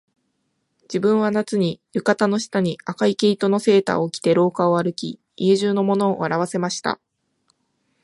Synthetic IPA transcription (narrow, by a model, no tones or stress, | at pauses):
d͡ʑ̥ibɯ̟̃ɰ̃β̞anat͡sɨɲ̟ijɯ̟kat̪ano̞ɕi̥t̪aɲ̟iakaike̞it̪o̞no̞se̞ːt̪a̰okʲi̥t̪e̞ɾo̞ːkao̞aɾɯ̟kʲi | iʑɨːno̞mo̞no̞ːaɾaβ̞ase̞maɕi̥t̪a̰